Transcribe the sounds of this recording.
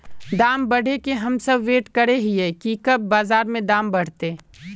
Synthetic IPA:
d̪aːmbɐɽ̤ʱekeɦɐmsɐbʋeːʈkɐɾeɦiɦɛkikɐb̚ːaːzaːɾmẽd̪ãːmbɐɽ̤t̪eː

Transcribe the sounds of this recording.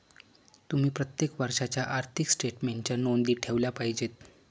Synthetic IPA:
t̪um̤iːpɾət̪jekʋəɾʂat͡ɕjaʔaɾt̪ʰiksʈeʈmeɳt͡ɕjanond̪iːʈʰeʋljapaɦid͡ʑet̪

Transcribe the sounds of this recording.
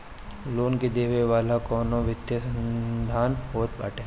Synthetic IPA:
loːnked̪eːʋeʋaːlakɔːnoʋɪt̪jəəd̪ʱaːnboːt̪̚ba̰ːʈẽ

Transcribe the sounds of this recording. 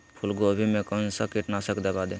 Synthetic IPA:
pʰulɡobʱimekənsəkiʈnasəkd̪ebad̪e

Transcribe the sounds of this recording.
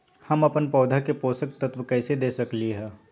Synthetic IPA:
hɐmɐpənpɔːd̪ʱakepoːsək̚t̪ət̪wkɛːsed̪eːsəkliɦɛː

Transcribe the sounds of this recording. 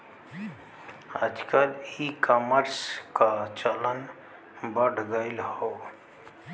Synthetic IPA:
əd͡ʒkəlikəməɾskat͡ʃələn | bəɽɡəɪlhoː

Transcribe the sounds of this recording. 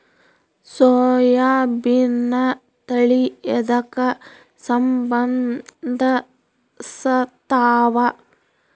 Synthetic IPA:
soːjaːbinːɐ | t̪ɐɭiɛd̪ɐkɐ | sɐmbɐnd̪ʱɐ | sɐt̪aːʋɐ

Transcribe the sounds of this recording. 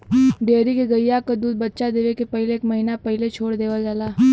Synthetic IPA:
ɖeːɾikeɡəjːakad̪uːd̪̚bət̪ːʃad̪eːʋekepɛɦleeːkmɐɦinapɛɦlet͡ʃʰoːɽd̪eːʋad͡ʒaːlaː

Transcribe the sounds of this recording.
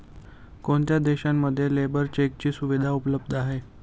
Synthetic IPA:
koɳt̪jad̪eɕamːəd̪ʱːjelebəɾt͡ɕek̚t͡ɕiːsuʋid̪ʱaupələb̚d̪ʱaɦe

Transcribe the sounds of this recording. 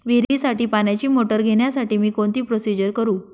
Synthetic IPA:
ʋiɾisaʈiːpanjat͡ɕiːmoʈəɾɡʱeɽjasaʈiːmiːkoɳt̪iːpɾosid͡ʑəɾkəɾuː

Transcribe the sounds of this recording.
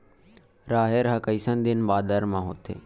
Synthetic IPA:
ɾaːɦeːɾɦəkəisənd̪ɪnbaːd̪əɾmãːɦoːt̪ḛː

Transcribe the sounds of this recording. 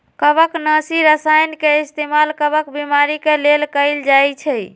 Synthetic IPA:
kəbəknəsiɾəsajnkeist̪emalkəbəkbimaɾikelelkəɪld͡ʒajt͡ʃʰəj

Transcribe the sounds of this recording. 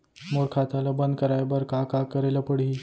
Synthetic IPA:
moɾkʰat̪aləbənd̪kəɾajbəɾkakakəɾeləpəɽɦi

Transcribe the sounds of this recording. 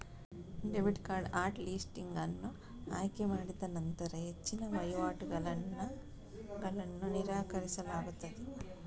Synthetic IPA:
ɖeʋiʈkaːɾɖaːɾʈliːsʈiŋɡɐnːu | aːjkemaːɽid̪ɐnɐnt̪ɐɾɐɦe̞t͡ʃːinɐʋɐjʋaːʈuɡɐlɐn | ɡɐlɐnːuniɾaːkɐɾisɐlaːɡut̪ːɐd̪e

